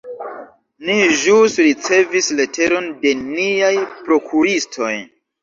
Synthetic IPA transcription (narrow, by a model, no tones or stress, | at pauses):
niʒusɾit͡se̞visle̞tʰe̞ɾo̞nde̞niajpɾo̞kʰuɾistʰo̞j